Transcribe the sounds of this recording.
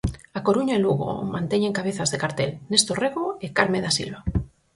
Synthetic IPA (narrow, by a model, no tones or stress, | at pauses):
akoɾuɲaeluɣ̞o̰mãnt̪eɲẽŋkaβ̞eθazðekaɾt̪elnest̪oreɣoekaɾmeðasḭlβa